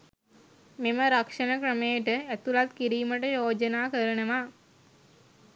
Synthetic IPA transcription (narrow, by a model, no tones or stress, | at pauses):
meməɾakʂənəkɾəmejəʈəæt̪ulat̪kiɾiːməʈəjoːd͡ʒənaːkəɾənəʋa